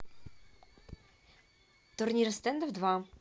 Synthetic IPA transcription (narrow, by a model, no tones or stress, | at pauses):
t̪ʊɾnʲiɾst̪ɛnd̪əvd̪va